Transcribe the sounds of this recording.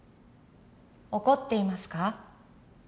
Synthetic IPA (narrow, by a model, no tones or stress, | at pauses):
o̞ko̞t̪ːe̞imasɨ̥ka